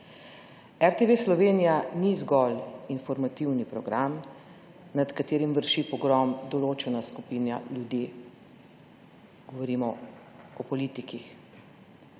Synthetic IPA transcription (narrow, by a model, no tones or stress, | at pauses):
ɛɾt̪eʋeslɔʋeːnijanizɡɔlinfɔɾmat̪iwnipɾɔɡɾam | nat̪kat̪eːɾimʋəɾʃipɔɡɾɔmd̪ɔloːt͡ʃɛnaskupiːnja̰ljud̪ji | ɡ̥ɔʋɔɾiːmɔ | ɔpɔliːt̪ikix